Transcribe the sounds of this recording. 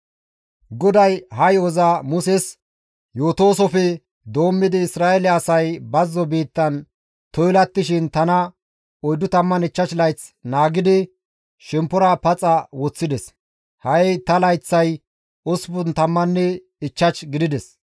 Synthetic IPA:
ɡɔd̪ɐjɦɐjɔzɐmʊsɛs | joːt̪o̞ːsɔfɛ | d̪o̞ːmːɪd̪ɪːsɾaːelɛɐsɐjbɐzːɔbiːt̪ːɐn | t̪ɔjlɐt̪ːɪʃɪnt̪ɐnɐ | ɔjd̪ːʊt̪ɐmːɐnɪt͡ʃːɐt͡ʃlɐjt͡snaːɡɪd̪ɪ | ʃɛmpːɔɾɐpɐt͡sʼɐwɔt͡sːɪd̪ɛs | hɐjt̪ɐlɐjt͡sːɐj | ɔsbʊnt̪ɐmːɐnːɛ | ɪt͡ʃːɐt͡ʃɡɪd̪ɪd̪ɛs

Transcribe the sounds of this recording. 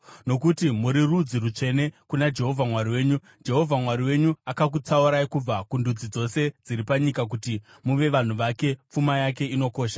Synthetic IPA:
no̞kutimuɾirud͡zirut͡ʂe̞ne̞kunad͡ʒe̞ɦo̞vʱamwaɾiwe̞ːɲu | d͡ʒe̞ɦo̞vʱamwaɾiwe̞ɲuakak̬ut͡sauɾaikub͡vakundud͡zid͡zo̞se̞d͡ziɾipaɲikak̬uti | muʋe̞ʋan̤uʋake̞p͡fumajak̬e̞ino̞ko̞ːʃḁ

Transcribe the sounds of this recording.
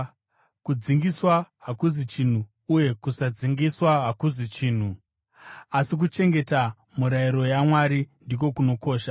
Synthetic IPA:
kud͡ziŋɡiswaɦakuzit͡ʃin̤uː | je̞kusad͡ziŋɡiswaɦakuzit͡ʃiːn̤u | asik̬ut͡ʃe̞ŋɡe̞ta | muɾaiɾo̞jamwaɾindik̬o̞kuno̞ko̞ːʃa

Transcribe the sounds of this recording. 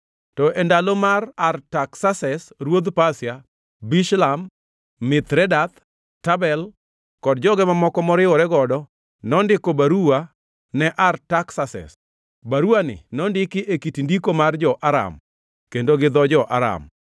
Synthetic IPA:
tɔʔɛndalomarartaksasɛsrwod̪pasja | biʃlamː | ɪt̪ɾɛdat̪ | tabɛl | kɔdd͡ʒɔɡɛmamɔkɔmɔɾɪwɔɾɛɡɔdɔ | nɔndɪkobaɾua | nɛʔartaksasɛ̰s | baɾuanɪ̰nɔndɪkɪʔekitindikomard͡ʒɔʔaɾa̰m | kendoɡɪd̪ɔd͡ʒɔʔaɾa̰m

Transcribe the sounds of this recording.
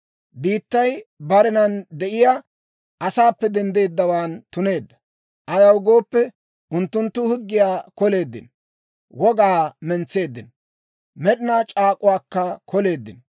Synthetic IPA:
biːt̪ːɐjbɐɾɪnɐnd̪ɛʔɪjaː | ʔɐsaːpːɛd̪ɛnd̪e̞ːd̪ːɐwaːnt̪ʊne̞ːd̪ːɐ | ʔɐjɐwɡo̞ːpːɛ | ʔʊnt̪ːʊnt̪ːʊhʊɡːɪjaːkɔle̞ːd̪ːɪ̰n | wɔɡaːmɛnt͡se̞ːd̪ːɪn | mɛɗɪnaːt͡ʃʼaːkʼʊwaːkːɐkʰɔle̞ːd̪ːɪ̰n

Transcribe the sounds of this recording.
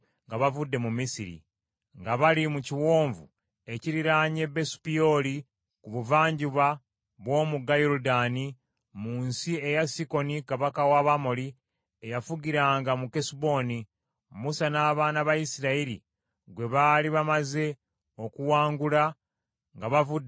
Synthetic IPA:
ŋɡaβavudːe̞mumisiɾḭ | ŋɡaβalimuciwo̞ːɱvu | e̞ciɾiɾaːɲe̞be̞su̥pijo̞li | kuβuvaːɲɟuβa | βwo̞ːmuɡajoɾudani | muːnsie̞jasiko̞nikaβakawaβamo̞li | ejafuɡiɾaːŋɡamukesibo̞ːni | musanaːβaːnaβajisiɾaiɾi | ɡwe̞βaːliβamaze̞ | o̞kuwaːŋɡula | ŋɡaβavudː

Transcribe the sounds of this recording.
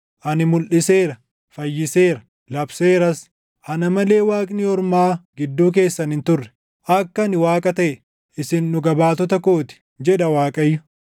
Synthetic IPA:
ʔɐnɪmʊlʔɪse̞ːɾɐ | fɐjːɪseːɾɐ | lɐbseːɾɐs | ʔɐnɐmɐle̞ːwaːkʼnɪɔɾmaːɡɪd̪ːuːk̬e̞ːsːɐnɪnt̪ʊrːɛ̥ | ʔɐkːɐnɪwaːkʼɐt̪ɐʔɛ | ɪsɪnːʊɡɐbaːt̪ɔt̪ɐko̞ːt̪ɪ̥ | d͡ʒɛᶑɐwaːkʼɐjːʊ

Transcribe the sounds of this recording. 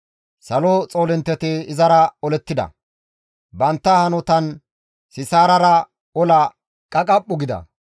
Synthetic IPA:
sɐlɔt͡sʼoːlɪnt̪ːɛt̪ɪɪzɐɾɐɔlɛt̪ːɪd̪ɐ̰ | bɐnt̪ːɐhɐnɔt̪ɐn | sɪsaːɾɐɾɐ | ɔlɐ | kʼɐkʼɐpʼːʊɡɪd̪ɐ̰

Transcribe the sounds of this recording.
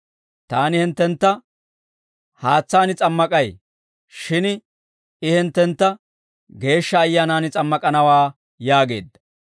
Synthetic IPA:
t̪aːnɪhɪnt̪ːɛnt̪ːɐ | haːt͡sːaːnɪt͡sʼɐmːɐkʼɐj | ʃɪn | ɪhɪnt̪ːɛnt̪ːɐ | ɡe̞ːʃːɐːjːaːnaːnɪt͡sʼɐmːɐkʼɐnɐwaː | jaːɡe̞̰ːd̪ːɐ̥

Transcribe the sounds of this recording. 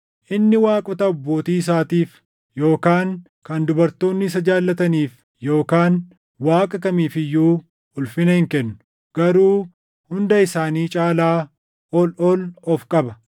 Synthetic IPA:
ʔɪnːɪwaːkʼɔt̪ɐɔbːoːt̪iːɪs̬aːt̪iːf | jo̞ːkaːŋ | kɐnd̪ʊbɐɾt̪o̞ːnːɪs̬ɐd͡ʒaːlːɐt̪ɐniːf | jo̞ːkaːn | waːkʼɐkɐmiːfɪjːuː | ʊlfɪnɐhɪŋkɛnːʊ̥ | ɡ̥ɐɾuː | hʊnd̪ɐɪsaːniːt͡ʃʼaːlaː | ɔlɔlɔfkʼɐbɐ

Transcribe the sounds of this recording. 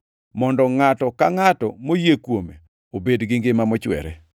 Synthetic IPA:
mɔndɔŋatɔkaŋatɔmojekwome | obedɡɪŋɡɪmamɔt͡ʃwɛ̰ɾɛ̰

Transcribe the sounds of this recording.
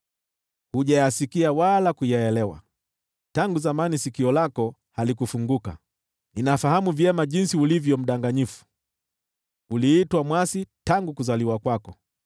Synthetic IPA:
huʄajasikiawalakujɛɛlɛwa̰ | taŋɡuzamanisikiɔlakɔ | halikufuŋɡuka̰ | ninafaɦamuvjɛmaʄinsiulivjɔm̩ɗaŋɡaɲifu̥ | uliːtwamwasitaŋɡukuzaliwakwakɔ

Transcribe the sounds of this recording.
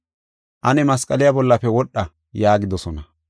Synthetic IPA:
ʔɐnɛmɐskʼɐlɪjabɔlːɐpːɛwɔɗːɐ | jaːɡɪd̪ɔsɔnɐ

